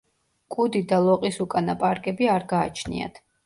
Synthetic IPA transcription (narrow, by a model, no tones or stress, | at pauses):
kʼud̪id̪alˠɔqʼisukʼanapʼaɾkʼɛbiaɾɡaːt͡ʃʰnḭa̰t̪ʰ